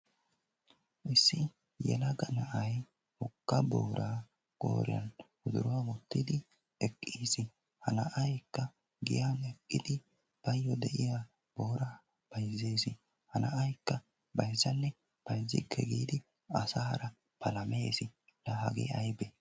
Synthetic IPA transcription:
ʔɪsːɪ | jɛ̰lɐɡɐnɐʔɐj | hɔkːɐbo̰ːɾaː | kʼo̰ːɾɪ̰jɐ̰n | ʊd̪ʊ̰ɾɔwamʊt̪ːɪd̪ɪ | ɛkʼːiːsɪ | hɐnɐʔɐjkːɐ | ɡɪ̰jaːnɛkʼːɪd̪ɪ | b̥ɐjːɔd̪ɛʔɪja | b̥o̞ːɾaː | b̥ɐjzːeːsɪ | hɐnɐʔɐjkːɐ | bɐjzːɐnːɛ | b̥ɐjzːɪ̰kʰːɛ̰ɡiːd̪ɪ | ɐsaɾɐ | pʰɐlɐmeːsɪ | lɐhɐɡḛɐjbe

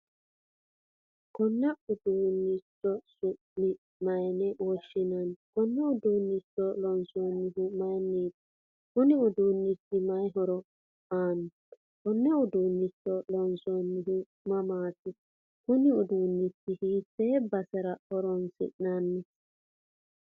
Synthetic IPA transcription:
kɔnːɛʊd̪uːnːɪt͡ʃːɔsʊʔnɪ | mɐjnɛwɔʃːɪnɐnkɔnːɛʊd̪uːnːɪt͡ʃːɔlɔnsɔnːɪɦʊmɐjniːt̪ | kʊnɪʊd̪uːnːɪtːɪmɐjɦɔɾɔ | aːnɪ | kɔnːɛʊd̪uːnːɪt͡ʃːɔlɔnsonːɪɦʊ | mɐmaːt̪ɪ | kʊnɪʊd̪uːnːɪtːɪhiseːbɐsɛɾɐhɔɾɔnsɪ̰ʔnɐnːɪ

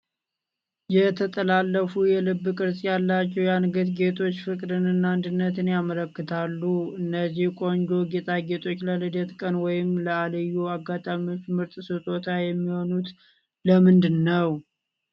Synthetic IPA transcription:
jɛt̪ʰət̪ʼəlalːəfujɛlɨbːɨkʼɨɾsʼjalːat͡ʃːɛwjanɡət̪ɡe̞t̪ʰo̞t͡ʃːfɨkʼd̪ɨnɨnːand̪ɨnːət̪ɨnjamələkːɨt̪ʰalːuɨnːəzːihkʼo̞nd͡ʒo̞ɡet̪ʼaɡe̞t̪ʰo̞t͡ʃːləlɨd̪ət̪kʼənwɔjɪmləaləjuaɡːat̪ʼamio̞t͡ʃːmɨɾt̪ʼsɨt̪ʼo̞t̪ʰajɛmːiho̞nut̪ | ləmɨnd̪ɨnːəw

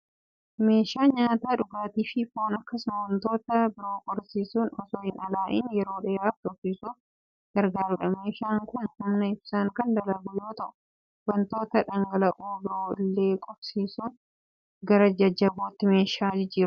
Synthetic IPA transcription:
me̞ːʃaːɲaːt̪aːᶑʊɡaːt̪iːfɪfoːnɐkːɐsʊmɐwɐnt̪oːt̪ɐbɪɾo̞ːkʼɔɾsiːsuːnɔsoːhɪnɐlaːʔɪ̰njɛɾo̞ːᶑɛːaːfᶑʼɔbsiːsuːf | ɡ̥ɐɾɡaːɾʊᶑɐme̞ːʃaːŋkʊnhʊmnɐɪbsaːŋkɐnd̪ɐlɐɡʊjo̞ːt̪ɐʔʊ̥ | wɐnt̪o̞ːt̪ɐᶑɐŋɡɐlɐʔuːbɪɾoːɪlːeːkʼɔɾsiːsuːn | ɡɐɾɐd͡ʒɐd͡ʒɐboːt̪ːɪme̞ːʃaːd͡ʒɪd͡ʒɪːɾʊ

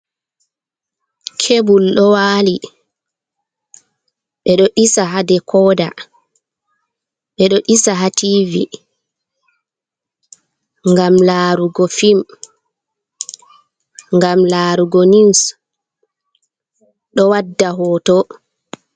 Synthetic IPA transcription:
kʰebulɗɔwaːli | ɓɛɗɔʔisaɦadɛkʰɔːda̰ | ɓɛɗɔʔisaɦatiːvi | ŋɡamlaːɾuɡɔfim | ŋɡamlaːɾuɡɔniws | ɗɔwadːaɦɔːtɔ

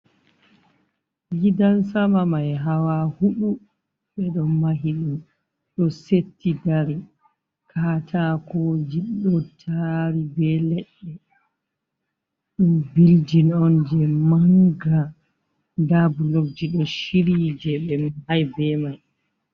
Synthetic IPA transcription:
jidansamamajɦawahuɓu | ɓɛɗɔmaɦiɗum | ɗɔsetːidaɾi | kʰatʰakod͡ʒiɗɔtʰaɾibɛlɛɗːɛ | ɗumbild͡ʒinɔnd͡ʒɛmaŋɡa | dabulok̚d͡ʒiɗɔʃiɾid͡ʒɛɓɛmihajbɛmaj

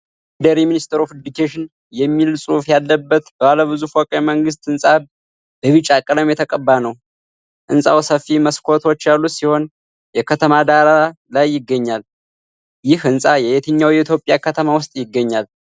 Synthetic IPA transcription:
d̪əɾiminist̪ʰəɾofɨd̪ikʰeʃɪn | jɛmːilsʼufjalːəbːət̪b̥əβaləβɨzufɔkʼəməŋɡɨst̪ɨnsʼa | b̥əβɨt͡ʃʼːakʼələmjɛt̪ʰəkʼəbːanəw | ʔɨnsʼa̰wsəfːiməskʰo̞t̪ʰo̞t͡ʃːjalːusiho̞n | jɛkʰət̪ʰəmad̪aɾa | lajːɪɡːəɲːal | jɪhɨnsʼajɛbet̪ʰəɲːawjɛit̪ʰjo̞pʼːjakʰət̪ʰəmawʊst̪ʼjɪɡːəɲːal

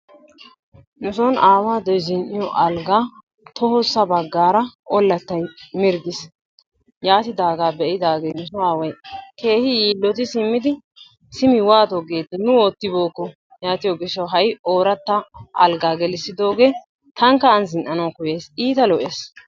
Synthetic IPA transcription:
nʊsɔnaːwaːd̪ɔjzɪnʔɪjɔʔɐlɡaː | t̪ɔhɔsːɐbɐɡːaːɾɐʔɔlːɐt̪ːɐjmɪɾɡ̪ɪs | jaːt̪ɪd̪aːɡaːbɛʔɪd̪aːɡejnʊsɔaːwɐjke̞ːhɪjiːlːɔt̪ɪsɪmːɪd̪ɪ | sɪmɪwaːt̪ɔɡeːt̪ːɪnʊoːt̪ːɪbo̞ːkːɔ | jaːt̪ɪjɔɡɪʃːɐwɦɐjoːɾɐt̪ːɐʔɐ̰lɡaːɡɛlɪsɪd̪o̞ːɡe̞ː | t̪ɐŋkːɐːnzɪnʔɐnɐwkʊjeːsiːt̪ɐlɔʔeːs

